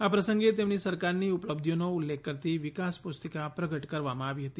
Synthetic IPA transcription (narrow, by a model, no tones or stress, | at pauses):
apɾəsə̃ŋɡet̪̬emnisəɾkaɾniupləb̚d̪ʱjonoulːek̚ʰːəɾt̪iʋɪkaspust̪əkapɾəɡəʈkəɾʋamãaʋiɦət̪i